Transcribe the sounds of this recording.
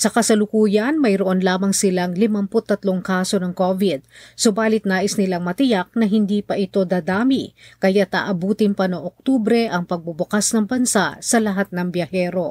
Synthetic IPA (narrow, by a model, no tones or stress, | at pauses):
sɐkɐsɐlʊkuːjɐnmɐjɾoʔonlaːmɐŋsɪlaŋlɪmɐmpʊt̪ːɐt̪loŋkaːso̞nɐŋko̞vɪd̪̚sʊbaːlɪt̪̚naːʔɪsnɪlaŋmɐt̪ɪjak̚nɐɦɪnd̪iːpɐʔɪt̪o̞d̪aːd̪aːmikɐjat̪a̰ːʔɐbuːt̪ɪnpɐnoŋʔok̚t̪uːbɾɛʔɐŋpɐɡ̚bʊbʊkasnɐŋbɐnsaʔsɐlɐɦat̪̚nɐŋbjɐhɛːɾo̞